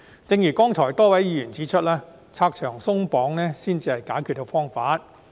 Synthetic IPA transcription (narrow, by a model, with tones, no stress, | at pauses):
t͡sɪ˧ŋjyː˨˩kɔː˥ŋt͡sʰɔː˨˩jt̪ɔː˥˩wɐ˨˥jiː˨˧jyː˨˩nt͡siː˨˥t͡ʃʰɵ˥t̚laː˥ | t͡sʰaː˧k̚t͡ʃʰœː˨˩ŋsʊ˥ŋpɔː˨˥ŋnɛː˥siː˥nt͡siː˧hɐ˨jkaː˨˥jkʰy˧t̪o˧wfɔː˥ŋfaː˨˥t̚